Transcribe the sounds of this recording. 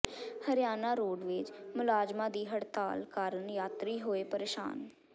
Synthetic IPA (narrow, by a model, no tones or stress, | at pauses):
həɾɪjaːnaːɾoːɖʋɪt͡ʃmʊlaːd͡ʒmãːd̪iːɦəɽt̪a̰ːlkaːɾənjaːt̪ɾiːɦoːeːpəɾeːʃa̰ːn